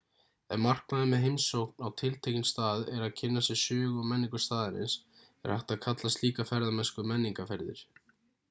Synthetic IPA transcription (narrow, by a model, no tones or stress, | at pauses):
ɛnmar̥knaðʏmɛðɦejmsowk̚nawt̪ʰɪlt̪ʰejcɪnst̪aːðɛɾaðcʰɪnːasɛsʏːɣʏmɛnːiŋkʏ̥st̪aːðɪɾɪ̰ns | ɛ̰ɾ̥haht̪aðkʰat̪last̪liːkafɛɾðamɛnskʏmɛnːiŋkafɛɾðɪ̰ɾ̥